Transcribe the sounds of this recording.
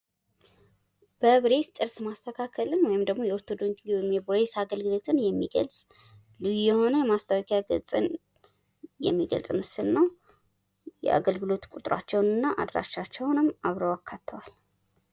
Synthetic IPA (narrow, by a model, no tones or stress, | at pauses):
b̥əβɾe̞t̪t̪ʼɨɾsmast̪ʰəkʰakʰːəlɨnwɔjɪmd̪əɡmo̞jɛoɾt̪ʰo̞d̪o̞ɲwɔjɪmjɛbɾesaɡəlɡɨlo̞t̪ʰɨnjɛmːiɡə̰lsʼ | lujujɛho̞nəjɛmast̪ʰəwkʼjaɡə̰sʼɨ̰n | jɛ̰mːiɡə̰lsʼmɨsɨlnəw | jɛ̰ʔa̰ɡəlɡɨlo̞t̪kʷʼut̪ʼɨɾa̰t͡ʃːɛwnɨnːaʔa̰d̪ɾa̰ʃat͡ʃːɛwnɨmːaβɾəwakʰːat̪ʰːəwal